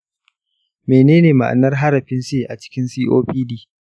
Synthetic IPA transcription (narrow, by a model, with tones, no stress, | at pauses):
meː˨neː˦neː˨ma˨ʔa̰˨nːɐ˦rɦa˦ɾɐ˨ɸɪ˦nseː˦˨ʔa˨t͡ʃɪ̥˦kʲɪ˦nsiː˦ʔoː˦ɸiː˦diː˦˨